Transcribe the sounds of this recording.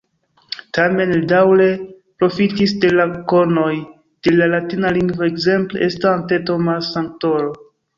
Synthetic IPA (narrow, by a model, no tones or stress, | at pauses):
tame̞nldawle̞ | pɾo̞fitisde̞lako̞ɾno̞j | d̥e̞lalatinaliŋɡvoekze̞mple̞ʔestaante̞to̞masaŋk̚to̞ɾo